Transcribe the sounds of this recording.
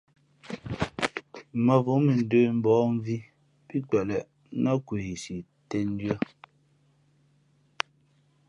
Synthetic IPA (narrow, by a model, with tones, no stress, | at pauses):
mə˨vu˨˦mi˨n̩˨də˦˨m̩˨bɔː˨˦m˦vi˦ | pi˦k͡pɛ˨lɛ˨˦ | nɔ˦ku˨i˨si˨ | tɛ˦n̩˦djɔ˦